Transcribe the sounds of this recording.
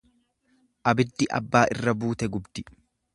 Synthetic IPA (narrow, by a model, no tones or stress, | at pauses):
ʔɐbɪd̪ːɪʔɐ̰bːaːʔɪrːɐbuːt̪ɛɡʊbd̪ɪ